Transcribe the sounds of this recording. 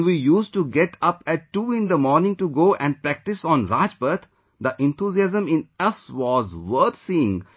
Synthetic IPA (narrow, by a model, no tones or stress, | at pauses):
nʋiːjuːsʈuɡeʈʰʌpɛʈːuːɪ̃nd̪əmɔːɾnɪ̃ŋʈuɡoːʔɛ̃ɳɖ̚pɾæk̚ʈɪsɔ̃ːnɾaːd͡ʒbəɾt̪ʰ | d̪əʔɛ̃nt̪ʰuːziæzə̃mɪ̃nɐsʋɔːzʋəɾt̪siːɪ̃ŋ